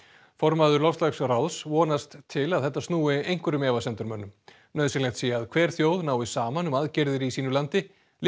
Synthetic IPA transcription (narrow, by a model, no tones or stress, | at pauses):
fɔɾmaðʏɾlɔfst̪laxsrawsvɔːnast̪ʰːɪlaðθɛht̪ːast̪nuːɪejŋ̥kvʏɾʏmɛːvasɛnt̪ʏɾmœnːʏm | nœːðsɪlɛŋt̪siːjaaðkʰv̥ɛːɾ̥θjoːwðnaːwɪsaːmanʏmaðcɛɾðɪɾisiːnʏlant̪ɪ | l